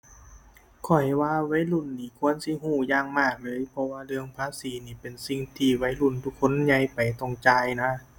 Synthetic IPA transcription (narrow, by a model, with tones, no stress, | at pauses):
kʰɔ˨˩jwaː˧wa˧˥jlu˧˩˨nːiː˧˩kʰu˧˥˨ənsi˧˥˨ɦuː˧˩jaː˧˩ŋmaː˧˩k̚lɤː˧˥˨jpʰɔ˧waː˧lɯ˧əŋpʰaː˧˥˨siː˨˦niː˧˩pe˨˩nsi˧˩ŋt̪ʰiː˧˩wa˧˥jlu˧˩˨nt̪ʰu˧˩kʰːo˧˥˨nɲa˧˥jpa˨˩jt̪ɔ˧˩ŋt͡ɕaː˧jna˧˥˨